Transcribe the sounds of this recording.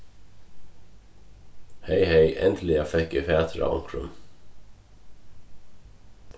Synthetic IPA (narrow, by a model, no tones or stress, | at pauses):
heɪheɪʔɛ̰nt̪ʰl̩ɪɑfɛkiːfeːt̪ʰɾɑ̰ɑ̰ŋkʰɹʉ̰m